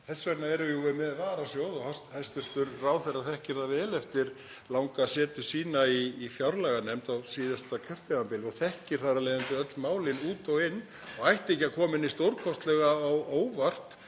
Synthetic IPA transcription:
θɛsːvɛɾnaɛɾʏjuɛmɛðvaːɾasjoːwðɔhast̪halst̪ʏft̪ʏɾraːwθɛrːaθɛhcɪɾ̥θavɛːlɛft̪ɪɾ | lawŋkasɛːt̪ʏ̥siːnaiːfjawɾlɛɣanɛmt̪awsiːðast̪acʰœr̥t̪vɛɾampɪlɔɣθɛhcɪɾ̥θaralejðʏnt̪ʏœt̪lmaːwlɪnuːt̪ɔwɪnː | ɔɣajht̪ehcːɪakʰɔːmɪnːɪst̪owɾkʰɔst̪lɛɣaːwoːwvar̥t̪

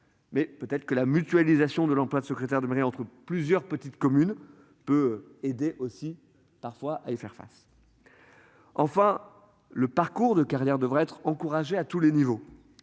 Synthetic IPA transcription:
mɛpøt̪ɛt̪χə̥kəlamyt̪ɥalizasjɔ̃d̪əlɑ̃plwad̪səkχet̪ɛʁd̪əmeʁiɑ̃t̪χəplyzjœʁpət̪it̪kɔmyn | pøed̪eʔosi | paʁfwaʔaifɛʁfa̰s | ɑ̃fɛ̃ | ləpaʁkuʁd̪əkaʁjɛʁd̪əvʁaɛt̪χɑ̃kuʁaʒeat̪ulenivo

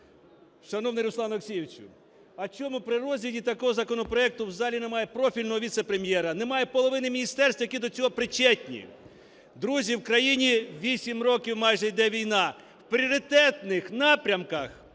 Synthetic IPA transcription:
ʃɐnɔwnɪɾʊsˠɑnoksʲijeʋt͡ʃʲʊ̰ | ɐt͡ʃɔmupɾɪɾɔzʲʋʲidʲit̪ɐkɔɦɔzɐkɔnɔpɾɔɛk̚t̪ʊwzɑlʲinɛmɑjɛpɾɔfʲilʲnɔɦɔʋʲit̪sɛpɾemʲjɛɾɐnɛmɑjɛpɔlˠɔʋɪnɪmʲinʲist̪ɛrst̪ʋɐjɐkid̪ɔt͡sʲɔɦɔpɾɪt͡ʃɛtʲnʲḭ | d̪ɾuzʲiwkɾɐjinʲiʋʲisʲimrɔkʲiwmɑjʒɛjid̪ɛʋʲijnɑ | wpɾʲiɔɾɪt̪ɛt̪nɪxnɑpɾʲɐmkɐx

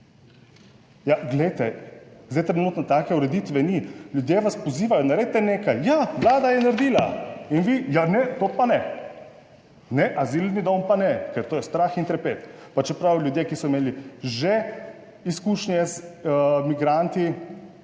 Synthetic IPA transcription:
jaɡlɛjt̪ɛzd̪ajt̪ɾɛnuːt̪nɔt̪aːkɛuɾɛd̪it̪ʋɛnilʲjud̪jeʋaspɔziːʋajɔnaɾed̪̚t̪ɛneːkajjaʋlaːd̪ajɛnaɾd̪iːlainʋijanɛt̪oːpanɛ | nɛʔazilnid̪ompanɛkɛɾt̪oːjɛst̪ɾaxint̪ɾɛpeːt̪pat͡ʃɛpɾawlʲjud̪jekisɔimeːliʒe | iskuːʃnjɛzmiɡɾant̪i

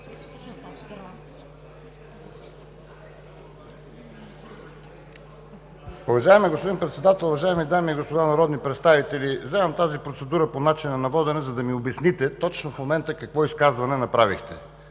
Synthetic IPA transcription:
ʊvɐʒaɛmɛɡospod̪inpɾɛt̪sɛd̪at̪ɛlˠʊvɐʒaɛmid̪amiːɡospod̪anɐɾɔd̪nipɾɛt̪st̪avit̪ɛlivzɛvəmt̪azipɾot̪sɛd̪uɾəponat͡ʃinɐnɐvɔd̪ɛnɛzɐd̪ɐmiʊbɛsnit̪ɛt̪ɔt͡ʃnofmomɛnt̪əkɐkvɔiskazvɐnɛnɐpɾavḭxt̪ɛ̰

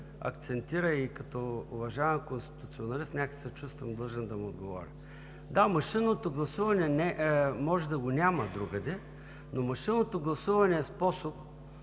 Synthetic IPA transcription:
ɐ̰kt̪sɛnt̪iɾəikɐt̪ɔʊvɐʒavɛmkonst̪i̥t̪ʊt̪sionɐlist̪nʲakə̥sɛt͡ʃust̪vəmd̪lˠəʒɛnd̪ɐmiod̪ɡovɔ̰ɾʲɐ | d̪amɐʃinot̪oɡlˠɐsuvɐnɛnɛmɔʒɛd̪ɐɡonʲamɐd̪ɾuɡɐd̪ɛ | nomɐʃinːot̪oɡlˠɐsuvɐnɛːspɔsop̚

